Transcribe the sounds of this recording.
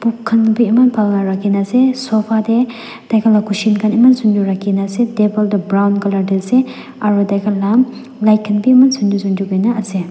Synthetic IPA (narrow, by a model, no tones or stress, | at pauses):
b̥ukʰːɐnbiɐmɐnpʰalnaɾakːinasesɔpʰade | d̥ajkʰalakʰusinkʰanimɐnsunduɾakːinasedebɔldabɾawnɡɐladilse | aɾudajkʰalːam | lajkʰːɐnbiimɐnsundusunduɡajnaɐse